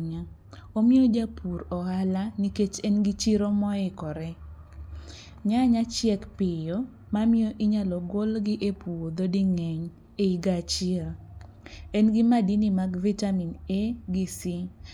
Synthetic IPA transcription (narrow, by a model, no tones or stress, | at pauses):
ɲa | omɪod͡ʒapʰuɾɔhalaniket͡ʃɛnɡɪt͡ʃiɾomɔɛkɔɾɛ | ɲaɲat͡ʃjɛkpɪjo | mamɪoʔɪɲalɔɡolɡɪʔepuwod̪odɪŋɛɲ | eiɡat͡ʃl | ɛnɡɪmadinimaɡvitamineɡɪsɪ